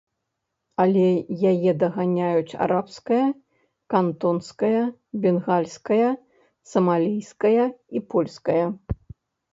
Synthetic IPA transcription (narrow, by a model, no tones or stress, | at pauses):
ɐlʲɛjajɛd̪ɐɣanʲajut͡sʲa̰ɾapskɐjɐ | kant̪ɔnskɐjɐ | bʲɛnɣalʲskɐjɐ | sɐmalʲijskɐjɐipɔlʲskɐjɐ